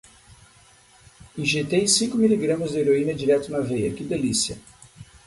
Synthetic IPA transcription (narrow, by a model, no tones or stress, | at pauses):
ĩʒet̪ejsĩŋkʊmiliɡɾɐ̃mɐzd̪ɪeɾoĩnɐd͡ʒiɾɛt̪ʊnɐvejɐ̰kɪd̪elisiɐ̰